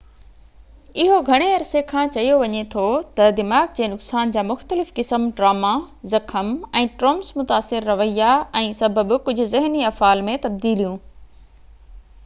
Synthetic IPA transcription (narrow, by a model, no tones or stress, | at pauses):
ɪɦoɡʱɐɽ̃eɐɾsekʰãːt͡ɕɐijoʋɐɲet̪ʰot̪ɐd̪ɪmaːɡ̚d͡ʑeːnʊksaːnd͡ʑaːmʊxt̪əlɪfkɪsəmʈɾaːma | zɐkʰəmɛ̃ːʈɾoːmsmʊt̪aːsɪɾːɐʋəijaɛ̃ːsɐbʱəbkʊd͡ʑʱʊ̆zɪɦniɐfaːlmẽt̪ɐb̚d̪iːlijũː